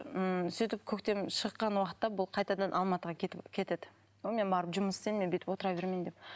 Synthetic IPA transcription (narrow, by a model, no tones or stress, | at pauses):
əsijt̪ɪp̚kʲʰɵkt̪e̞mʃəqːɑnwɑqə̥t̪ːɑbʊlˠqʰɑjt̪ɑd̪ɑnʔɑlˠmɑt̪əʁɑkʲʰet̪ɪkʲʰe̞t̪e̞d̪ɪ̥ | wome̞nbɑɾəpʒʊməst̪enmebet̪ɪpwo̞t̪əɾɑbe̞ɾmejnd̪ep̚